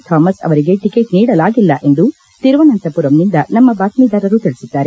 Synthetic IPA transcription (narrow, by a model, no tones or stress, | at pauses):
t̪ʰaːmɐsɐ̰ʋɐɾiɡe̞ʈikeːʈniːɽɐlaːɡilːɐʔe̞nd̪u | t̪iɾʋɐnɐnt̪ɐpuɾɐmnind̪ɐnɐmːɐbaːt̪miːd̪aːɾɐɾut̪iɭisid̪ːaːɾe